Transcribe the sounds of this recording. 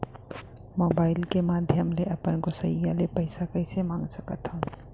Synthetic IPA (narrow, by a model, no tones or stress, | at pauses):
moːbaːɪlkemaːd̪ʱjəmleʔɐpənkosəɦialepɐɪsakɐɪsemãːŋɡsəkət̪ɦõː